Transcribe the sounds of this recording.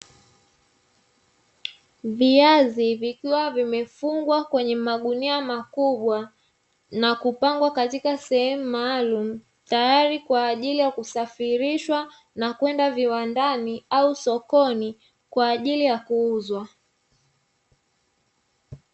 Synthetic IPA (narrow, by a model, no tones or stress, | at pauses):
viazivikiwavimɛfuŋɡwakwɛɲɛmaɠuniamakuɓwa | nakupaŋɡwakatikasɛhɛmumaːlum̩ | tajaɾikwaːʄilijakusafiɾiʃwa | nakwɛndaviwandaniausɔkɔni | kwaːʄilijakuuzwa